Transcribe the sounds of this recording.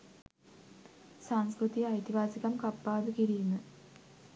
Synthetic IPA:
samskɾɨt̪iɐjt̪ibaːd͡ʑiɣɐmkɐpːaːd̪ɨkiɾijunːɨ

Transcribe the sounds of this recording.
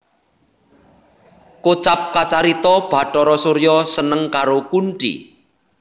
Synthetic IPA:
kot͡ʃap̚kat͡ʃaɾit̪ɔb̥ä̤ʈɔɾɔsoɾjɔsənəŋkaɾokunʈḭ

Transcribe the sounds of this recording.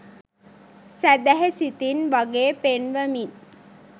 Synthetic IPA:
sæd̪æɦesit̪inʋaɡeːpenʋəmi

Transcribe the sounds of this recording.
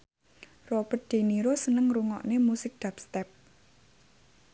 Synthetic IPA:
rɔb̥ər̚d̪̥e̤niɾosənəŋruŋɔ̰ʔnemusɪk̚d̪̥apst̪ɛp̚

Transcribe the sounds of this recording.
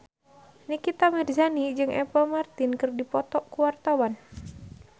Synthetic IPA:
nikit̪amirzanid͡ʒɨŋʔɛ̰pamart̪inkɨrdipɔt̪ɔkuwart̪awan

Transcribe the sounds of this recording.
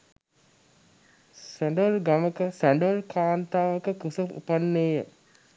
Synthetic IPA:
sæɳɖəʋlɡaməkəsæɳɖʋəlkʰaːnt̪aːʋəkəkusəfṵpanːeːjə

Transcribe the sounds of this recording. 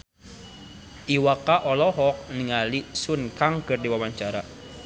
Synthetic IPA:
ʔiwakaʔɔlɔɦɔk̚niŋalisunkaŋkɨrdiwawaɲt͡ʃaɾa

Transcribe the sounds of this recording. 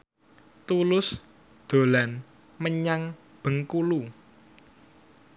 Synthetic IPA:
t̪ulʊs | d̪̥o̤lan | məɲaŋ | b̥ə̤ŋkulu

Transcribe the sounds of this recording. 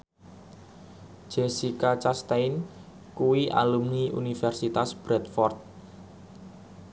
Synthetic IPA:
ʒ̥esikat͡ʃast̪ajn | kuwiʔa̰lumniʔṵnifɛrsit̪asb̥ɾɛt̪fɔrt̪̚

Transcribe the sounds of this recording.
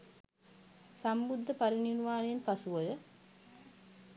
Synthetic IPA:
sambud̪ʱːəpaɾininʋaːnenpasuʋɐjə

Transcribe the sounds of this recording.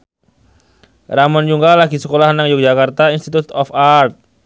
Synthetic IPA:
ramɔnd͡ʒuŋɡalaɡisəkolahnaŋjʊk̚d͡ʒakart̪ainst̪it̪ut̪ɔfart̪̚

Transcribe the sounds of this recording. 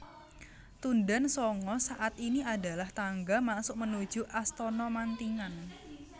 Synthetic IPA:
t̪undansɔŋɔsaʔat̪iniada̤laht̪aŋɡamasʊʔmənud̥ʒ̥ṳʔast̪ɔnɔmant̪iŋan

